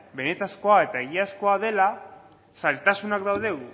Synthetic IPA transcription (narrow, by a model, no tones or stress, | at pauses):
be̞ne̞t̪asko̞ae̞t̪aeɣiasko̞að̞e̞la | salt̪asunakd̪awðe̞ɣu